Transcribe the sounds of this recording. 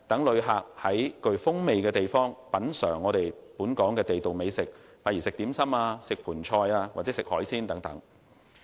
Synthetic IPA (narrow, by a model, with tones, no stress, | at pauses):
t̪ɐ˨˥ŋlɵ˨˧ɥɦaː˨k̚hɐ˨˥jkɵ˧ɥfʊ˥ŋme˨jkɛː˧t̪e˨jfɔː˥ŋpɐ˨˥nsœ̰ː˨˩ŋːɔː˨˧ɾe˨jpuː˨˥nkɔː˨˥ŋkɛː˧t̪e˨jt̪o˨wme˨˧jsɪ˨k̚faː˧˥ji˨˩sɪ˨k̚t̪iː˨˥msɐ˥maː˧sɪ˨k̚pʰuː˨˩nt͡ʃʰɔː˧jaː˧wa̰˨ɛ˨˧˥sɪ˨k̚hɔː˨˥jsiː˥nt̪ɐ˨˥ŋt̪ɐ̰˨˥ŋ